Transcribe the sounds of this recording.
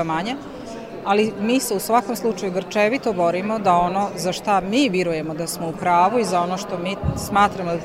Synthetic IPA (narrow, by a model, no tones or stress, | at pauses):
amaɲa | alimiːse̞usʋako̞mslˠut͡ʃajuɡr̩t͡ʃeʋit̪o̞bo̞ɾimo̞d̪ao̞noːzaʃt̪amiːʋjɛɾuje̞mo̞d̪asmo̞upɾaːʋuizao̞noʃt̪o̞miːsmaːt̪ɾamod̪